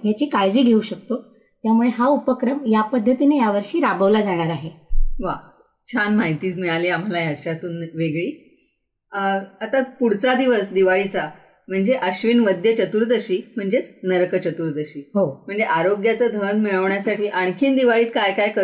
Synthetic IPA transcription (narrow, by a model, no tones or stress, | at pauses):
jat͡ɕiːkaɭd͡ʑiːɡʱeuɕək̚t̪o | t̪jamuɭeɦaupəkɾəmjapəd̪ʱːət̪inejaʋəɾɕiːɾabʱəʋlad͡zaɽ̃aɾaɦeʋa | t͡ɕʰanmaɦit̪iːt͡smiɭaliːam̤alajaɕat̪uːnʋeɡɭiː | at̪apuɽ̤t͡sad̪iʋəsd̪iʋaɭit͡sa | m̤əɳd͡zeʔəɕʋinʋəd̪jət͡ɕət̪uːɾd̪əɕiːm̤əɳd͡zet͡snəɾkət͡ɕət̪uːɾd̪əɕiːɦom̤əɳd͡zeʔaɾoɡjat͡səd̪ʱənmiɭəʋɳjasaʈiːʔaɳ̃kʰiːnd̪iʋaɭiːt̪̚kajkajkə